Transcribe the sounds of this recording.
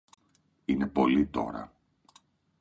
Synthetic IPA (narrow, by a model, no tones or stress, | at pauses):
ine̞po̞lit̪o̞̰ɾɐ̰